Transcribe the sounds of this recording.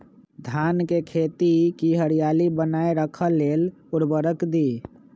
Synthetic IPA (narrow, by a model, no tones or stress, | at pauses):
d̪ʱankekʰet̪ikiɦəɾijalibənaeɾəkʰəlːeluɾbəɾəkd̪i